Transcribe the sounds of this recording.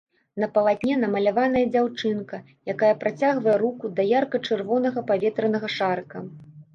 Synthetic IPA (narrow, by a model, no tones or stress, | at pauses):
nɐpɐlˠad̪ʲnʲɛnɐmɐlʲavan̪ɐjɐd͡zʲawt͡ʂɨnkɐ | jakajɐpɾat͡sʲaɣvɐjɛɾukud̪ɐjarkɐt͡ʂɨrvɔnɐɣɐpavʲɛt̪ɾɐnɐɣɐʂarkɐ